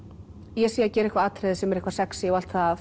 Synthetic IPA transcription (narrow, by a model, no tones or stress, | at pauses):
jɛsiːjːacɛːɾɪhkvaaːt̪ɾɛðɪsɛmɛɾɪhkvasɛksɪɔwalt̪faa